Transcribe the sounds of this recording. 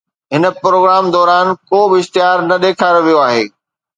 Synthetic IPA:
ɦɪnə̆pɾoːɡɾaːmd̪ɔːɾaːnkoːbɪɪʃt̪ɪɦaːɾnɐɗ̪eːkʰaːɾoʋijoaːɦeː

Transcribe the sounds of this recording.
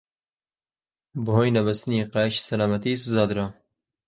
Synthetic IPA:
bɦoːjnɐbɐst̪niqɑʃsɐlaːmɐt̪iszaːd̪ɾa

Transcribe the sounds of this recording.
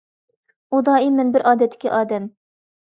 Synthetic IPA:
ud̪ɑːimɪnbɪɾʔɑːd̪ɛt̪ʰːɪ̥kʲiʔɑːd̪ɛm

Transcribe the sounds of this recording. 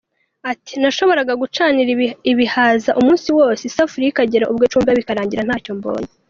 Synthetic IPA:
ati̥naʃo̞βo̞ɾaɡaɡut͡ʃaːniɾiβihaːzaʔumuːnsiwoːsesafuɾiikaɟeɾaʔubɡet͡ʃuːmbaβikaɾaːɲɟiɾan̥haːco̞mbo̰ːɲe

